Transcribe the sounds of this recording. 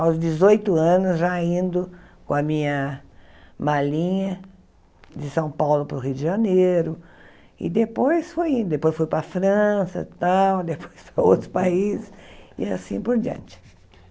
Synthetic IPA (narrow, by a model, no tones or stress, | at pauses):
awzd͡ʒɪzojt̪ʊɐ̃nʊzʒaĩnd̪ʊkõɐmĩɲɐ | malĩɲɐ | d͡ʒɪsɐ̃w̃pawlʊpɾʊɦiwd̪ɪʒaneɾʊ | ɪ̰d̪epojsfojĩnd̪ʊd̪epojsfojpɾɐfɾɐ̃sɐ̰t̪awd̪epʰo̥jspɾɐo̰wt̪ɾʊspaizɪsḭasĩpoɾd͡ʒiɐ̰̃nt͡ʃɪ̥